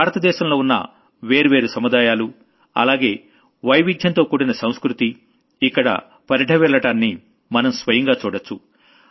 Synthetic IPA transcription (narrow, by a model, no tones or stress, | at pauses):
baːɾɐt̪ɐd̪ɛːʃɐmlo̞ːunːɐ̰ | ʋe̞ːɾuʋe̞ːɾusɐmud̪aːjaːlu | ɐ̰laːɡe̞ː | ʋɐjʋid̪ʱjɐnt̪o̞ːkuːɽinɐsɐw̃skɾut̪iː | kːɐɽɐ̰ | pɐɾiʈʰɐʋɛːɭːɐʈaːnːi | mɐnɐmsʋɐjɐŋɡaːt͡ʃuːɽɐt͡ʃːu